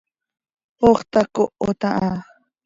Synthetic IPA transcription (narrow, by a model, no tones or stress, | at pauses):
oχt̪akoot̪aʔa